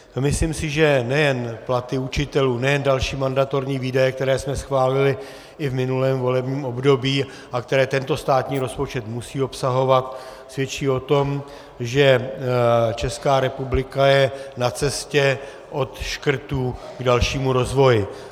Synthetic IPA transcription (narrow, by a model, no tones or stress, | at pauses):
mɪsliːmsɪʒɛnɛjɛnplat̪ɪut͡ʃɪt̪ɛluːnɛjɛndalʃiːmandat̪oɾɲiːviːdajɛkt̪ɛɾɛːsmɛsxvaːlɪlɪ | ɪvmɪnulɛːmvo̞lɛbɲiːmo̞bdo̞biː | ʔakt̪ɛɾɛːt̪ɛnt̪o̞st̪aːt̪ɲiːɾo̞spo̞t͡ʃɛt̪musiːo̞psaɦo̞vat̪̚ | svjɛt͡ʃiːo̞t̪o̞m | ʒɛ | t͡ʃɛskaːɾɛpublɪkajɛnat͡sɛscɛ | ʔo̞t̪ʃkr̩t̪uɡdalʃiːmuɾo̞zvo̞jɪ